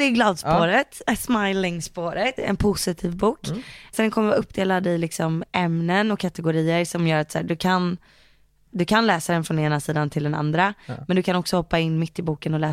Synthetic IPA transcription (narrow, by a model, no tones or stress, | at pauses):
d̪ɛːɡlɑːd̪spoːɾət̪smajlɪŋspoːɾət̪ɛ̰npʰʊsɪt̪ʰiːvbuːksɛnkʰɔməɾvaːɵpːd̪eːlad̪ɪlɪksɔmɛmnənɔkʰːat̪ɛɡʊɾiːəɾsɔmjœːɾat̪sa̰ːɖɵkʰan | d̪ɵkʰanlɛːsad̪ɛnfɾɔneːnasiːd̪ant̪ʰɪld̪ɛna̰nd̪ɾamɛnd̪ɵkʰanɔksɔhɔpːaɪnːmɪt̪ːɪbuːkənɔlɛː